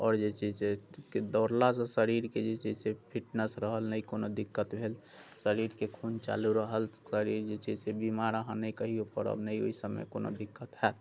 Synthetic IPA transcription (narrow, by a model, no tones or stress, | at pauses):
ɔ̰ːɾd͡ʒet͡ʃid͡ʒseked̪ɔɾlasə̃səɾiɾked͡ʒet͡ʃid͡ʒsepʰiʈnəsɾəɦəlnəjkonod̪ikːət̪bʱel | səɾiɾkekʰunt͡ʃa̰luɾəɦəlsəɾiɾd͡ʒet͡ʃid͡ʒsebimaɾəɦãnəikəɦiopə̰ɾə̰bnəio̰isəmːḛkono̰d̪ikːət̪ɦɛt̪